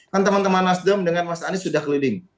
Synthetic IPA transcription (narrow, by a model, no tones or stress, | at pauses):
kant̪əmant̪əmanasdəmdəŋanmasaːnisudahkəlilɪŋ